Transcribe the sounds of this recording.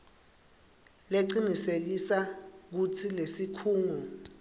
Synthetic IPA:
leǃinisek̬isak̬utʰilesikʰuːŋu

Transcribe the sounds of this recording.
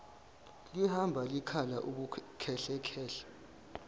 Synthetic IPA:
lihambʱalikʰalaʔuk̬ukʰɛɬɛkʰɛːɬḁ

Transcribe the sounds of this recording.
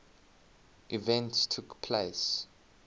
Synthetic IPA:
ʔivɛ̃ntstʰukpʰleɪs

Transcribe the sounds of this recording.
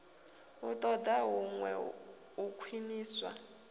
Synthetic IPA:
utʼɔd̪aɦuŋwɛ̰ | ukʰwiniːswa̰

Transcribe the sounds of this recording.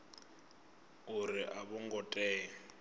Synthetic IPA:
ʊrɪʔaβʊŋɡɔtʼɛː

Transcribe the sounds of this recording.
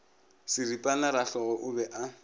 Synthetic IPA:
sɪripʼalaɾaɬɔɣɔʔʊbɛʔa

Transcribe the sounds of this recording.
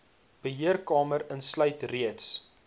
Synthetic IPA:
b̥əɦiərkɑːməɾənslœɥtriəts

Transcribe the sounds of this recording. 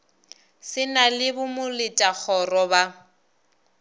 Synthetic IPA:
sɪnalɪbʊmʊlɪtʼak͡xʰɔrɔba

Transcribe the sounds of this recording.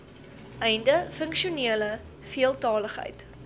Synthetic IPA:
ʔɛjndəfəŋkʃiuniələ | fiəlˠtɑːləχɦə̰jt

